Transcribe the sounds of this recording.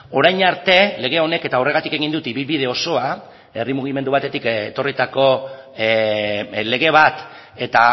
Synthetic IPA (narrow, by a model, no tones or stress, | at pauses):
o̞ɾajɲaɾt̪e̞le̞ɣ̞e̞o̞ne̞ke̞t̪ao̞re̞ɣ̞at̪ike̞ɣ̞ind̪ut̪iβilβið̞e̞o̞so̞a | e̞rimuɣ̞ime̞nd̪uβat̪e̞t̪ikḛt̪o̞rit̪ako̞ | le̞ɣ̞e̞β̞at̪ | e̞t̪a